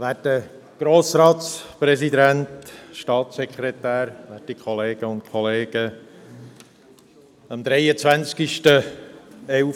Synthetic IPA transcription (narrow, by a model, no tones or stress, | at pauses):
ʋæːtə | ɡ̥ɾoːsɾɑːtspɾɛsid̪æntʃtɑːtsɛkʰɾɛt̪æːɾʋætikʰχɔleːɡ̥əʊntkʰɔleːɡ̥ə | əmd̪ɾɛjət͡svænt͡skiʃtə | ɛ